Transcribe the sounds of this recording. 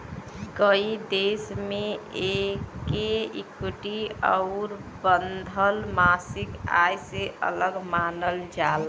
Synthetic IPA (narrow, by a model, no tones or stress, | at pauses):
kəid̪esmeekeikuʈiəʊɾbənd̪ʱəlmasɪka̰jseʔə̰ləɡmanəld͡ʒal